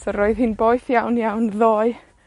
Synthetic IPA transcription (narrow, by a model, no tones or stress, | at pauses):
sɔɾoɨðhinboːɨθjawnjawnðoːɨ